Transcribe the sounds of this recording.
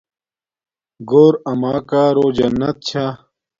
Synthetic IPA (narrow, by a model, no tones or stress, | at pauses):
ɡoːɾɐmaːkaːɾoːd͡ʑɐnːɐt̪̚t͡ɕʰa